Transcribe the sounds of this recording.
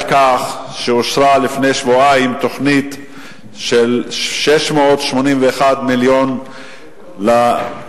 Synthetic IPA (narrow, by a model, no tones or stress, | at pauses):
kaχʃeoʃɾalifnejʃvoaimt̪o̞χnit̪ | ʃelʃeʃmoot̪ʃmonimveːχad̪miljon | la